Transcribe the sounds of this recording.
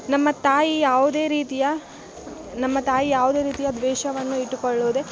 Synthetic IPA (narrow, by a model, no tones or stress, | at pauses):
nɐmːɐt̪aːjijaːʋud̪e̞ːɾiːt̪ijɐ | nɐmːɐt̪aːjijaːʋud̪e̞ːɾiːt̪ijɐd̪ʋɛːʃɐʋɐnːuiʈːukoɭːoːd̪e